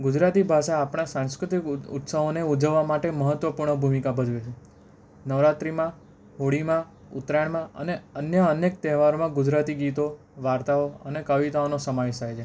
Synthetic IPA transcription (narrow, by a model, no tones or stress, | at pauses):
ɡʊd͡ʒɾat̪ibʱaʃaːpɽ̃asãnskɾɪt̪ikʊ̰t̪səʋoneud͡ʒəʋːamaʈeməɦət̪ʋəpuɾɳəbʱumikabʱəd͡ʒʋet͡ʃʰe | nəʋɾat̪ɾimã | ɦoɽimã | ʊt̪ɾaɳmãə̰neənjəənek̚t̪ɛɦʋaɾomãɡʊd͡ʒɾat̪iɡit̪o | ʋaɾt̪aoənekəʋit̪aonosəmaesajt͡ʃʰe